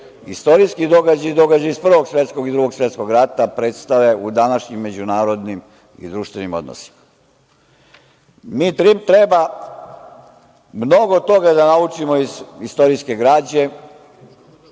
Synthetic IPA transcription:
ist̪o̞ɾiskid̪o̞ɡad͡ʑajid̪o̞ɡad͡ʑaispr̩ʋo̞ɡsʋje̞t̪sko̞ɡid̪ɾuɡo̞ɡsʋje̞t̪sko̞ɡɾat̪apɾet̪st̪aʋe̞ʔud̪anaʃɲimːe̞d͡ʑunaːɾo̞d̪nim | ḭd̪ɾuʃt̪ʋe̞nimo̞d̪no̰si̥ma | miːt̪ɾipt̪ɾe̞ba | mno̞ɡo̞t̪o̞ɡad̪anaut͡ʃimoizist̪o̞ɾiske̞ɡɾaːd͡ʑe̞

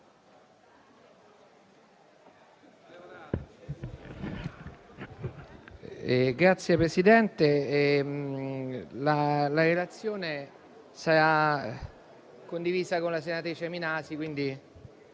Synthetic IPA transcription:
ɡɾat̪sjepɾesid̪ɛnt̪e | lalaɾelat̪sːjoːne | saɾa | kːond̪iviːzakonlasenat̪ɾiːt͡ʃeminaːsikwind̪i

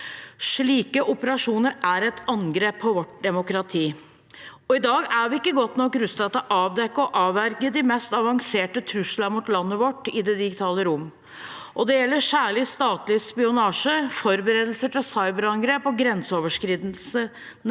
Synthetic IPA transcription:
ʂɭiːkəʔʊpəɾɑʂuːnəɾæɾɛt̪ɑnɡɾeːpʰːɔʋɔʈ̚d̪ɛmʊkɾɑt̪ʰiː | ɔɪd̪ɑːɡæʋɪɪkːəɡɔt̪nɔkːɾʉst̪ɑt̪əʔɑːʋd̪ɛkːəɔʔɑːʋæɾɡəd̪ɪmɛst̪ɑʋɑŋseːʈət̪ʰɾʉʂlɑmʊt̪lɑnːəʋɔʈːɪd̪ɛd̪ɪɡɪt̪ʰɑːləɾʊm | ʔɔd̪ɛjɛlːəʂæːɭɪst̪ɑːt̪lɪspɪʊnɑːʂəfɔɾbəɾeːd̪l̩səʈʰɪlsɑɪbəɾɑŋɡɾeːpɔɡɾɛnsəoːʋəʂkɾiːd̪l̩sə

